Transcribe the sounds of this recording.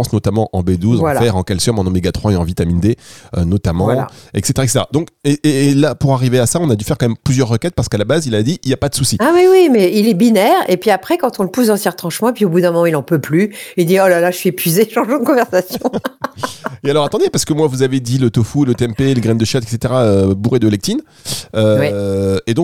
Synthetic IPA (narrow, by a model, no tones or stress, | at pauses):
ɑ̃snɔt̪amɑ̃ʔɑ̰̃bed̪uzɑ̃alfɛʁɑ̃kɛlsɔmɑ̃nɔmeɡat̪χwaeɑ̃vit̪amind̪eønɔt̪amɑ̃ɛ̰kset̪eʁaɛkset̪eʁad̪ɔ̃keeːlapuʁaʁiveasaɔ̃nad̪yfɛʁkɑ̃mɛmplyzjœʁːəkʲɛt̪̚paʁsə̥kalabazilad̪iʔiljapad̪əsusiawiwimɛilɛbinɛʁepɥiapχɛkɑ̃t̪ɔ̃ləpusd̪ɑ̃sjɛ̃ʁət̪χɑ̃ʃmɑ̃epɥiobud̪ɛ̃mɔmɑ̃ilɑ̃pøplyild̪iɔlalaʒʃɥiepɥizeʃɑ̃ʒɑ̃d̪əkɔ̃vɛʁsasjɔ̃ | ealɔʁat̪ɑ̃d̪epaʁsə̥kəmwavuzaved̪ilɔt̪ofulət̪eɛmpeləɡʁɛnd̪əʃjat̪ɛkset̪eʁaøbuʁed̪əlɛk̚t̪in | øwɛed̪ɔ̃k